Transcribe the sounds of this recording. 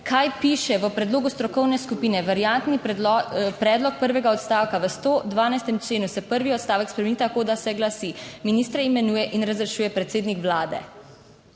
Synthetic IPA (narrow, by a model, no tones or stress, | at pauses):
kʰajpiːʃɛʋəpɾɛd̪loːɡust̪ɾɔkɔwnɛskupiːnɛʋaɾjant̪ni | pɾɛːd̪lɔk̚pəɾʋɛɡaɔt̪st̪aːwkaʋəst̪od̪ʋaːnajst̪ɛmt͡ʃleːnusɛpəɾʋiɔt̪st̪aːʋɛkspɾɛmɛnit̪akoːd̪asɛɡlasiminiːst̪ɾɛimɛnuːjɛʔinɾazɾɛʃuːjɛpɾɛt̪seːd̪nikʋlaːd̪ɛ̰